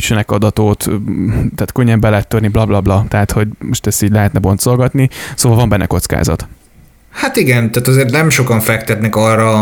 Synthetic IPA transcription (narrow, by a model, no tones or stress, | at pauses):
t͡ʃønɛkɒd̪ɒt̪oːt̪t̪aːt̪køɲːɛmbɛlɛɛt̪ːørniblɒblɒblɒt̪ɛɦaːt̪ho̞ɟmo̞ʃt̪ɛst̪iːɟlɛɦɛt̪nɛbo̞nt̪so̞lɡɒt̪nisoːvɒlvɒmbɛnːɛ̰ko̞t̪ska̰ːzɒ̰t̪ | hat̪iɡɛnt̪aːt̪ɒzeːrt̪nɛmʃo̞kɒɱfɛkt̪ɛt̪nɛkɒrɒ